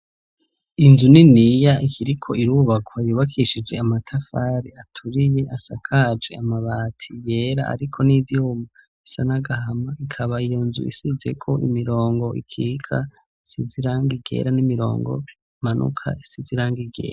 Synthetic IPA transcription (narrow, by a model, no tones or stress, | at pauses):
inzuninijaikiɾikʰo̞iɾuβakwajuːβakʰiʃid͡ʒe̞amatʰafaːɾiatʰuɾije̞ʔasakʰad͡ʒe̞̰amaβaːtʰijeɾa̰a̰ɾikʰo̞nivjuːma | isanaɡahamaikʰaβaijonzṵḭsize̞kʰo̞ʔḭmiɾo̞ːŋɡo̞ḭkʰikʰa̰ | isiziɾaŋɡiɡe̞̰ɾanimiɾo̞̰ːŋɡo̰ | manʔṵkʰa̰isiziɾaːŋɡiɡe̞̰ːɾa